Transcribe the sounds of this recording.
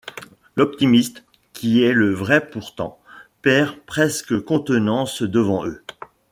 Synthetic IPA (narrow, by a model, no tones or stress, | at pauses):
lɔp̚t̪imist̪ | kʲiɛləvʁɛpuʁt̪ɑ̰̃pɛʁpχɛskəkɔ̃t̪ənɑ̃sd̪əvɑ̃ʔø